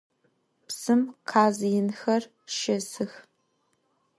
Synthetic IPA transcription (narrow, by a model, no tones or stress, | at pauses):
psɨmqʰaːzjɪnxɐr | ʃɐzɨx